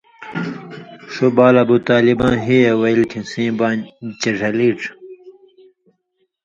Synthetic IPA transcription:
ʂubaːlɐbut̪aːlibãːnɦiewɐilk̪ʰĩsĩːbaːnt͡ɕɐʐɐliːʈ͡ʂ

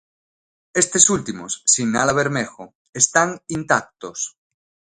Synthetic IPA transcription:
est̪esult̪imo̰sːiŋnaðaβ̞eɾmexo | est̪aŋint̪ak̚t̪os

